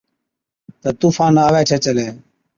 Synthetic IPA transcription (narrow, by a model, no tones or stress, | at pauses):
t̪əːt̪uːfaːnaːʋeːt͡ʃʰeːt͡ʃəleː